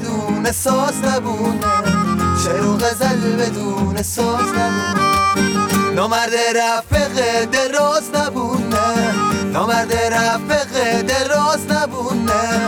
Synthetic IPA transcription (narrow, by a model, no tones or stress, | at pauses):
d̪uːnesɔːsnæbun | ʃeɾoɣæzalbed̪uːnesɔːsnæbuːn | nɔmæɾd̪eɾæfbeɣed̪eɾɔːsnæbunenɔmæɾd̪eɾæfbeɣed̪eɾɔːsnæbune